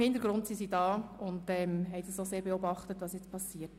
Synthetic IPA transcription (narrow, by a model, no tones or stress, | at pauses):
hɪntəɾɡɾʊndsisidɑːʊndɛmɦɛɪsisoseːɾbeobɑχtətʋɑsjɛt͡spʰɑsːiːət